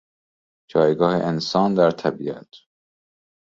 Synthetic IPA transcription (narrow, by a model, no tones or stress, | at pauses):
d͡ʒɒːjɡɒːhḛʔensɒːnd̪æɾt̪ʰæbiæt̪ʰ